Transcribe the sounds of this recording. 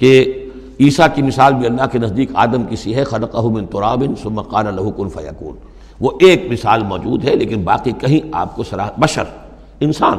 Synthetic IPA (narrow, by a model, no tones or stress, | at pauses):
ke | iːsakimɪsaːlbʱiɐlːaɦkinɐzd̪iːqa̰ːd̪əmkɪsiɦɛxɐlɐqɐɦumɪ̃nt̪ʊɾaːbɪnsʊmːaqɑːlɐlɐɦukʊnfɐ̰jɐ̰kṵːn | ʋoʔeːkmɪsaːlmɔːd͡ʒuːd̪ɦɛleːkɪnbaːqikɐɦĩa̰ːp̚kosɐɾaːbɐʃə̰ɾ | ɪnsaːn